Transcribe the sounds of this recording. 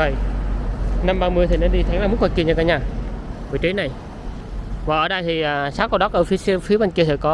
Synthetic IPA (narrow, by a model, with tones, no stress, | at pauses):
ə˨˩j | na˧mɓaː˧mɨ˧əjt̪ʰi˨˩ne˧nɗi˧t̪ʰa˨˦ŋlaː˨˩u˦˥t̚waː˨˧˩ki˧˩ɲəː˧˩kaː˧˦ɲaː˧˩və˨˩jt͡ɕi˨˦na˨˩j | vaː˨˩ʔəː˧˩ɗa˧jt̪ʰi˨˩ʔaː˨˩saː˨˦wkɔ˧wɗɔ˨˦kʔəː˧˩fi˨˦˧fi˨˦ɓa˧˩ŋki˧ət̪ʰi˧˩kɔ˨˦